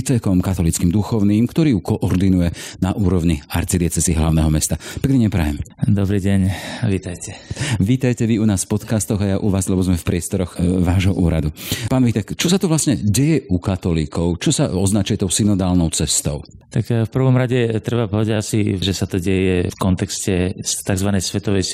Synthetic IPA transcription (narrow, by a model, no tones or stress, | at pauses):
it͡sɛkɔmkat̪ɔlit͡skiːmd̪uxɔʊniːmkt̪ɔɾiːjukɔʔɔɾd̪inujɛnaʔuːɾɔʋɲia̰ɾt͡sid̪ɪɛt͡sɛsiːɦlaʊnɛɦɔmɛst̪apɛknɛɲɛpɾa̰jɛ̰md̪ɔbɾiːɟɛɲʋiːt̪ajcʰɛʋiːt̪ajcɛʋiunaːsfpɔt̪kast̪ɔɣajaʔuʋaːzlɛbɔzmɛfpɾɪɛst̪ɔɾɔɣʋaːʒɦɔʔuːɾad̪upaːnʋit̪ɛkt͡ʃɔsat̪ɔʋlasɲɛɟɛjɛʔukat̪ɔliːkʰɔʊt͡ʃɔsa̰ɔznat͡ʃujɛt̪ɔʊsinɔd̪aːlnɔʊt͡sɛst̪ɔʊ | t̪akfpr̩ʋɔmɾaɟɛt̪ɾɛbapɔʋɛdaasiʒɛsat̪ɔɟɛjɛfkɔnt̪ɛkscɛst̪aɡzʋanɛjsʋɛt̪ɔʋɛj